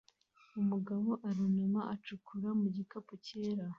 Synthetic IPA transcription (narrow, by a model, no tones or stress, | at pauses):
umuɡaβo̞ʔaɾiɲumaʔat͡ʃukʰuɾamuɟikapoce̞ːɾa